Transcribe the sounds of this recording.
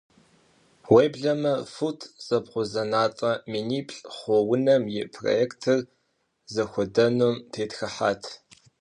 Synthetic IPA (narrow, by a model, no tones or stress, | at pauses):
wejbɮɐmɐfutʰz̥ɐpχʷʊzɐnaːt͡sʼɐminiːpʰʼɬʼχʷɔwʊnɐmjɪpʰro̰eːktʰɨr | zɐxʷɔdɐnumtʰeːtxɐħa̰ːtʰ